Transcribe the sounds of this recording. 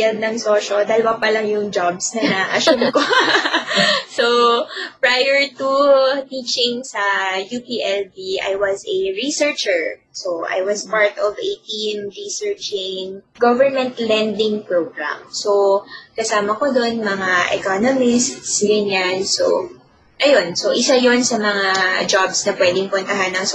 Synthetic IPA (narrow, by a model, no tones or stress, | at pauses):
jad̪̚nɐŋsoːʃod̪aːlɐwapɐlɐŋjʊŋd͡ʒabsnɐnaʔɐʃumko | sopɹajɛɹt̪ut̪iːt͡ʃɪŋsɐjupiːʔɛldiʔa̰jwɐzɐɹisɛɹt͡ʃɛɹsoʔa̰jwɐspaɹt̪ɔvet̪inɹisɛɹt͡ʃɪŋɡovɛɹmɛ̃nt̪lɛnd̪ɪŋpɹoɡɹa̰msokɐsaːmɐkod̪onmɐŋaʔɛ̰konomɪst̪sɡɐɲanso̰ | ʔɐjonsoʔɪsajonsɐmɐŋad͡ʒabsnɐpwɛd̪ɪŋpʊnt̪ɐɦanːɐŋs